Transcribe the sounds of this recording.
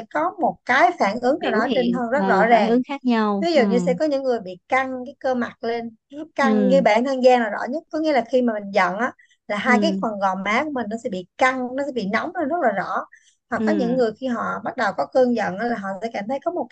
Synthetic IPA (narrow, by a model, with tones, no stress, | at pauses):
kɔ˨˦mo˨˩t̚kaː˨˦jfaː˧˩nʔɨ˨˦əŋkaː˨˩wɗɔ˨˦t͡ɕe˧nt̪ʰə˧ŋzə˦˥t̚zɔ̰˧˥zaː˨˩ŋ˦vi˨˦zu˨˩ɲɨ˧sɛ̰˧˥kɔ˨˦ɲɨ̰˧˥ŋŋɨ˨˩əjɓḭ˧˨ka˧ŋkaː˨˦jkəː˧ma˨˩t̚le˧n | zə˦˥ka˧ŋŋe˧ɓa̰˧˥nt̪ʰəː˧ŋzaː˧ŋlaː˨˩zɔ̰˧˥ɲə˦˥t̚kɔ˨˦jŋḭ˧˥˦laː˨˩xi˧maː˨˩mï˨˩zə̰˧˨nʔaː˨˦ | laː˨˩ɦaː˧jkaː˨˦jfə˨˩nɣɔ˨˩ŋ͡mʔaː˨˦ku˧˥əmï˨˩ŋ̟nɔ˨˦sɛ˧˥ɓḭ˧˨ka˧ŋnɔ˨˦sɛ̰˧˥ɓḭ˧˨nɔ˨˦wŋ͡mt̪ːnzə˦˥t̚laː˨˩zɔ̰˧˥ | hwa˨˩k̚ːɔ˨˦ɲɨ̰˧˥ŋːɨ˨˩əjxi˧ɦɔ̰˧˨ɓa˦˥t̚ɗə˨˩wkɔ˨˦kəː˧ŋzə̰˧˨nʔaː˨˦laː˨˩ɦɔ̰˧˨sɛ̰˧˥kaː˧˩mt̪ʰə˨˦jkɔ˨˦mo˨˩˦